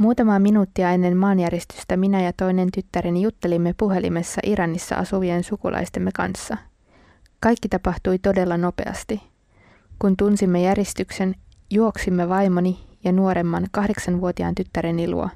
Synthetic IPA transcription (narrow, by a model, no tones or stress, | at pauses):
muːt̪ɑmɑːminuːt̪ːiɑe̞nːe̞mmɑːnjæɾest̪y̥st̪æminæjɑt̪o̞jne̞nt̪yt̪ːæɾenijut̪ːe̞limːe̞puɦe̞lḭmesːɑ̰ʔiɾɑnːisːɑ̰ʔɑsuʋiensukṵlʔɑ̰jst̪e̞mːekɑ̰nsːɑ | kɑjkːit̪ɑpɑht̪ujt̪o̞de̞lːɑno̞pe̞̰ɑ̰st̪i | kunt̪unsimːejæɾest̪ykse̞n | juo̞ksimːeʋɑjmonijɑnuo̞ɾe̞mːɑnkɑhde̞ksɑnʋuo̞t̪iɑ̰ːnt̪yt̪ːæɾenilṵo̰